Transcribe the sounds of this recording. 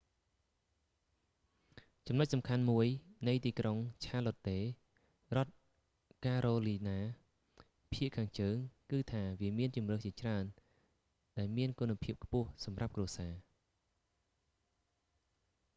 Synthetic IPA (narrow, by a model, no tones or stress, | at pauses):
t͡ɕɑmnʊc̚sɑmkʰanmuəjnɨjt̪iːkroŋt͡ɕʰaːlot̪ːeː | rŏət̪̚ | kaːɾoːliːnaː | pʰiəʔkʰaːŋt͡ɕəːŋkɨːt̪ʰaːʋiəmiənt͡ɕumrɨht͡ɕiət͡ɕraən | ɗaɛlmiənkunːapʰiəp̚kʰpʊ̆əhsɑmrap̚kruəsaː